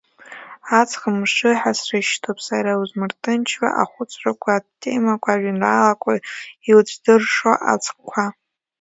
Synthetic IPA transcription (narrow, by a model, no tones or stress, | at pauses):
at͡sʰʼχəmʂɨħasrɨʃtʰopʰʼsaɾauzmɨrtʼɨnt͡ʃʰwa̰ʔa̰χʷʊt͡sʷʼrakʷʰatʰːḛmakʷʰʼaʒinraːlakʷʼoiwt͡sʷʰʼdɨrʂaʔa̰t͡sʰʼqkʷʰa